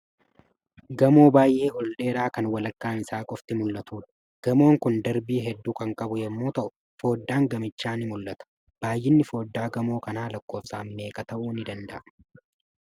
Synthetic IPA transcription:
ɡɐmo̞ːbaːjʔeːhɔlᶑe̞ːɾaːkɐnwɐlɐkːaːnɪsaːkʼɔft̪ɪmʊlːɐt̪uːᶑɐ̥ | ɡ̥ɐmo̞ːŋkʊnd̪ɐɾbiːɦɛd̪ːuːkɐŋkʼɐbʊjɛmːoːt̪ɐʔʊ | fo̞ːd̪ːaːŋɡɐmɪt͡ʃːaːnɪmʊlʔɐt̪ɐ̥ | b̥aːjːɪnːɪfo̞ːd̪ːaːɡɐmo̞ːkɐnaːlɐkːo̞ːfsaːmme̞ːkʼɐt̪ɐʔuːnɪd̪ɐnd̪ɐʔɐ

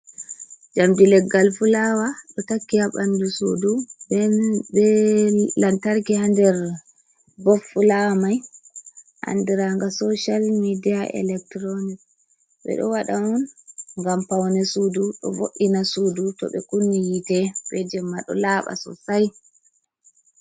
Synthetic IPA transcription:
d͡ʒamdilɛɡalfulawaɗɔtakːiaɓandusudubɛbɛlantaɾkihandɛɾ | bɔfulamaj | ʔa̰ndiɾaŋɡasɔʃalmidijaʔɛ̰lɛk̚tɾonik | ɓɛ̰ɗɔ̰waɗaɔnŋɡampawnɛsuduɗɔ̰boʔːinasudutɔ̰ɓɛkunːijitɛbɛd͡ʒɛmːaɗɔ̰laːɓa̰sɔ̰saj

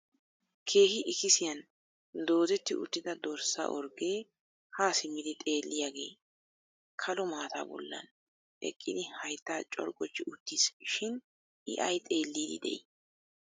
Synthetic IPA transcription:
kʰeːhɪʔɪkɪsɪjɐn | d̪o̞ːzɛt̪ːɪʔʊ̰t̪ːɪd̪ɐd̪oɾsa̰ʔɔɾɡe̞ː | haːsɪmɪd̪ɪt̪ʼe̞ːlːɪjaːɡe̞ː | kʰɐlɔmaːt̪a̰ːbɔ̰lːɐ̰n | ʔɛ̰kʼːɪd̪ɪhɐjt̪ːaːt͡ʃʼɔ̰ɾkʼɔt͡ʃːɪʊt̪ːisʃɪn | ɪ̰ʔɐjt̪ʼe̞ːlːiːd̪ɪ̰d̪ɛ̰ʔɪ

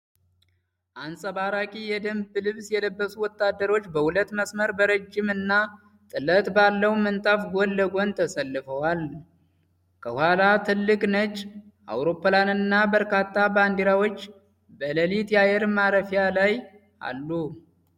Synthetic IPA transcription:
ʔansʼəβaɾakʼijɛd̪əmblɨβsjɛləbːəsuwɔt̪ːad̪ːəɾo̞t͡ʃːbəhulət̪məsməɾbəɾəd͡ʒːɪmɨnːa | t̪ʼɨlət̪ʼbalːəwmənt̪ʼafɡolːəɡont̪ʰəsəlːɨfəwal | kʰəhwalat̪ʰɨlːɨkʼnət͡ʃː | ʔa̰wɾo̞pːlanɨnːabəɾkat̪ʰːaband̪iɾawo̞t͡ʃː | bələlit̪ʼjajɛɾmaɾəfjalaj | a̰lːu

